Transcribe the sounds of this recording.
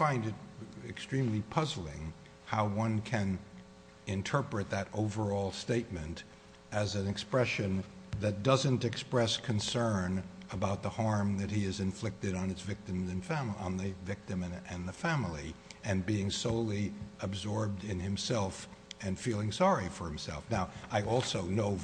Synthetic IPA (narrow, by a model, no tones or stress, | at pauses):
fãɪ̃ndɨɾɨkstɹ̥ĩmlipʰʌzl̩ˠɪ̰̃ŋ | haʊwʌ̃nkʰɨ̃n | ɨ̃ntʰɜ˞pɹɨt̪̚ðɨɾoʊvə˞ɔlˠsteɪt̚mɨ̃nt | ɨzɨ̃nɨkspɹɛʃɨ̃nðɨt̚d̥ʌzɨ̃ntɨkspɹɛskʰɨ̃nsɜ̃˞nəbaʊt̪̚ðəhɑɹmðɨt̚hiɨzɨ̃ɱflɪk̚tɨɾn̩ɨtsvɪk̚tɨ̃mzɨ̃nfæmə̃nðɨvɪk̚tɨ̃mɨ̃ɨ̃nðɨfæ̃ml̩ˠiɨ̃nbiɪ̃ŋsoʊlˠiəbzɔɹb̚dɪ̃nɨ̃msɛlˠfɨ̃nfilˠɪ̃ŋsɑɹifə˞hɨ̃msɛ̰lˠfnaʊaɪʔɔlˠsoʊnoʊ